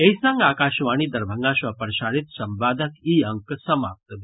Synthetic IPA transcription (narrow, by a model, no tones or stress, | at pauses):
ejsãŋɡaːkaːʃʋaːɳ̃iːd̪ɐɾbʱəŋɡaʃʋɐpəɾʃaːɽit̪sɐmbaːd̪ʱəkiːəŋksɐmap̚t̪d̪